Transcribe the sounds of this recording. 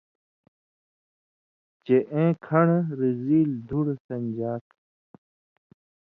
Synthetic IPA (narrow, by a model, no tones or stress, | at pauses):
t͡ɕeʔẽːkʰɐɳɾiziːld̪ʱuɽsɐnd͡ʑaːt̪